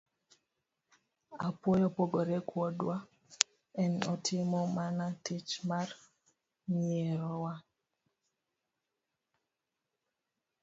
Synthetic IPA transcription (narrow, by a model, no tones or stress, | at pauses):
apwɔjɔpoɡɔɾɛkwɔdwa | ɛnɔtʰɪmɔmanatit͡ʃmar | miɛɾɔwa